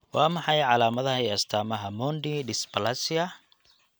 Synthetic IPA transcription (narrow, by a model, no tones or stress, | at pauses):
wɑːmɑħɑjʕɑlaːmɐðɐɛɐst̪ʰaːmɐɦɐmɔnɖiɖɪspɐlasiɐ